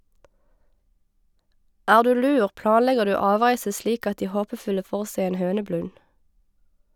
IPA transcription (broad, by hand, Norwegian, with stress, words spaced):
ˈæːʁ ˈdʉː ˈlʉːʁ ˈplɑːnˌlɛɡəʁ ˈdʉː ˈɑːˌʋʁæɪsə ˈʃliːk ˈɑt ˈdiː ˈhoːpəˌfʉlə ˈfoːʁ ˈsæɪ ˈeːn ˈhøːnəˌblʉn